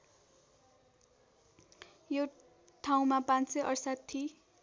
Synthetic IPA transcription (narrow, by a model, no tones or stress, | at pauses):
jo | ʈʰaw̃mapãnsʌjʔʌrsat̪ʰːi